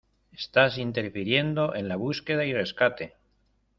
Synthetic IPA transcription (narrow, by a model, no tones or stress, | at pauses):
est̪asint̪e̞ɾfiɾje̞nd̪o̞ʔe̞nlaβ̞uske̞ðaireskat̪e̞